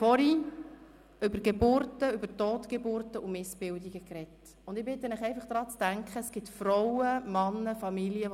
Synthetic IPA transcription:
fɔɾi | ʏbəɾɡ̥ebʊɾtəʏbəɾtoːtɡ̥ebʊrtəʔumɪsb̥ɪldiɡəkrɛt | ʊnd̥̪ɪbɪt̪ːənæχɛɪfɑχd̥ɾɑːt͡sd̥æŋkχəsɡ̥ɪtfrɔwəmɑnːəfɑmiliə

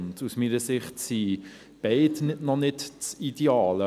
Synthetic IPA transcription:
ntusmiːnəsɪχtsi | b̥ɛɪdnɪdnɔnɪtt͡sideɑːlə

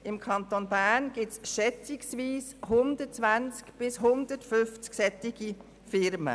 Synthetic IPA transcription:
ɪmkʰɑnt̪onbæːnɡ̥ɪsʃɛt͡sɪksʋiːshʊndət͡sʋænt͡skb̥ɪsɦʊndətfʏft͡sksɛtɪɡ̥i | fɪɾmə̰

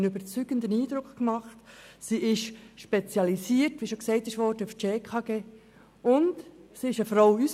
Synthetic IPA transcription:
nybəɾt͡syɡ̥əndəniːd̥̪ɾʊkχkmɑχtsiʔɪʃʃpet͡sjɑlisiːəɾtʋiːʃoksɛɪtɪʃʋɔɾd̥əuft͡ʃeːkʰɑɡ̥eː | ʊntsiɪʃəfɾoʊys

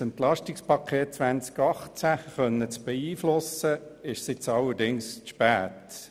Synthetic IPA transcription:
sɛntlɑʃtɪkspɑkʰeːt̚t͡sʋænt͡skɑχt͡sæχœnːət͡sb̥ɛiːflʊsəɪʃsɪt͡sɑləɾdɪŋsʃpæːt

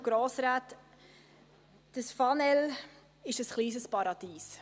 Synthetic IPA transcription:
ɡ̥ɾoːsɾaːt | d̥əsfɑnɛl | ɪʃəsχliːsəspɑɾɑd̪̥iːs

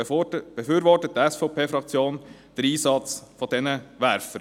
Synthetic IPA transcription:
b̥ɛfyːɾʋɔtət̚dəɛsfoʊpʰeːfɾɑk̚t͡sjoːn | d̥əɾiːsɑt͡sfɔd̥ɛnəʋæɾfəɾ

